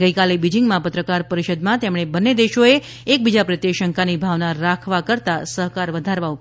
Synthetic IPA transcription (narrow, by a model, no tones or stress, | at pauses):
ɡəjkalebid͡ʒiŋɡmãpət̪ɾəkaɾpəɾiʃəd̪mãt̪emɽ̃ebənːed̪eʃoe | ek̚bid͡ʒapɾət̪jeʃəŋkanibʱaʋnaɾakʰʋakəɾt̪asəɦkaɾʋəd̪ʱaɾʋau